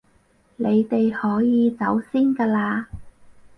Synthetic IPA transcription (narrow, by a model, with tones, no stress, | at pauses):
ne˨˧jt̪e˨jhɔː˨˥jiː˨˧t͡sɐ˨˥wsiː˥nkaː˧laː˧